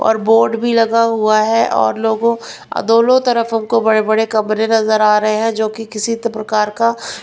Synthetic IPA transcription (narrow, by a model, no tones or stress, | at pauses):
ɔ̰ːɾboːɾɖbʱilɐɡaɦuaɦɛʔɔ̰ːɾloːɡõ | ɐ̰d̪oːlõt̪ɐɾəfɦɐmkobɐɽebɐɽekɐmɾẽnɐzəɾaːɾɐɦeɦɛ̃d͡ʒoːkikɪsit̪pɾɐkaːɾka